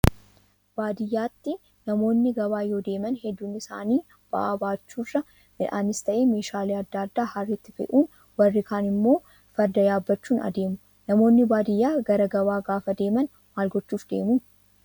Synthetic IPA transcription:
b̥aːd̪ɪjːaːt̪ːɪ | nɐmo̞ːnːɪɡɐβaːjo̞ːd̪e̞ːmɐnhɛd̪ːuːnɪsa̰ːniː | b̥ɐʔa̰ːbaːt͡ʃːuːrːɐ | mɪᶑa̰ːnɪst̪ɐʔeːme̞ːʃaːleːɐd̪ːaːɐd̪ːaːhɐrːɪt̪ːɪfɛ̰ʔuːn | wɐrːɪkaːnɪmːo̞ː | fɐɾd̪ɐjaːbːɐt͡ʃːuːnɐ̰d̪e̞ːmʊ | nɐmo̞ːnːɪbaːd̪ɪjːaːɡɐɾɐɡɐβaːɡaːfɐd̪e̞ːmɐn | maːlɡɔt͡ʃːuːfd̪e̞̰ːmuː

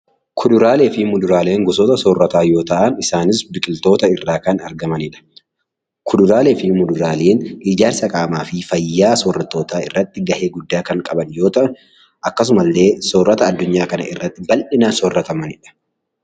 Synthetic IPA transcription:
kʰʊd̪ʊɾaːle̞ːfɪmʊd̪ʊɾaːle̞ːŋɡɔsoːt̪ɐsɔrːɐt̪aːjo̞ːt̪ɐʔɐnɪsaːnɪsbɪkʼɪlt̪o̞ːt̪ɐɪrːaːkɐnɐɾɡɐmɐnɪᶑɐ̥ | kʰʊd̪ʊɾaːle̞ːfɪmʊd̪ʊɾaːle̞ːnɪd͡ʒaːɾsɐkʼaːmaːfɪfɐjːaːsorːɐt̪ːo̞ːt̪aːɪ̰rːɐt̪ːɪɡɐhe̞ːɡʊd̪ːaːkɐŋkʼɐbɐnjo̞ːt̪ɐʔɐn | ʔɐkːɐs̬ʊmɐlːe̞ːsoːrːɐt̪ɐːd̪ːʊɲːaːkɐnɐ̰ʔɪrːɐt̪ːɪbɐlʔɪnɐnsɔrːɐt̪ɐmɐnɪᶑɐ̥

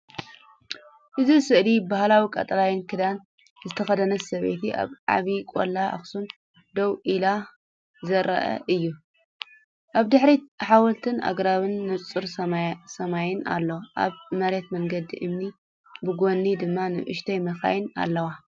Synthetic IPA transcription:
ʔɨzisɨʔlibahlawikʼɐ̰t̪ʼɐlajɪnkʰɨd̪an | zɨt̪ʰɐxɐd̪ɐnɐsɐβḛt̪ʰiʔa̰βʕa̰βikʼo̰lːaa̰xsun | d̪ɐwʔila | zɐɾɐ̰ʔɐ̰ʔɨjːu | ʔaβd̪ɨħɾiħawɔlt̪ʰɨna̰ɡɾaβɨnːɨt͡sʼɨɾsɐmajɪna̰lːoʔa̰βmɐɾet̪mɐŋɡɐd̪ḭʔɨmni | bɨɡo̞nːid̪ɨmːanɨ̰ʔɨ̰ʃt̪ʰɐjmɐxa̰jɪna̰lːɐwa

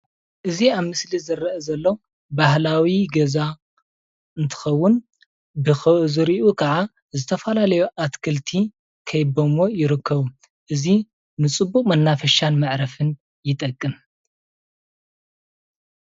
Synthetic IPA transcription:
ʔɨziaβmɨslizɐɾɐʔɐzɐlːo | bahlawiɡɐza | ɨnt̪ʰɨ̥xɐwːʊn | bɨxɐzɨɾiʔukʰɐʕa | zɨt̪ʰɐfɐlalɐjuʔat̪kʰɐlt̪ʰi | kʰɐjbomo̞jɪɾɨkʰːɐβu | ʔɨzi | nɨt͡sʼɨbːuχʼmɐnːafɐʃanmaʕɾɐfɨn | jɪt̪ʼɐkʼːɨm

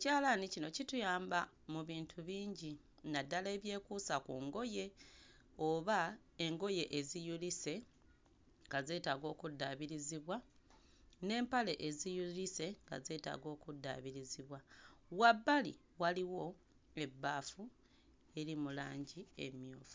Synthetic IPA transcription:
ecaːlanicino̞citujaːmba | muβiːntʰuβiːɲɟi | nadːale̞ːβje̞ːkuːsakuŋɡo̞je̞ | o̞βa | e̞ŋɡo̞je̞ʔezijulise̞ | ŋɡaze̞ːtaːɡo̞ːkudːaβiɾiziβwa | ne̞ːmpale̞ʔezijulise̞ŋɡa̰ze̞ːta̰ːɡo̞ːkudːa̰βiɾiziβwawabːalḭ | waliwo̞ | e̞bːaːfu | e̞ɾimulaːɲɟie̞̰mjoːfu̥

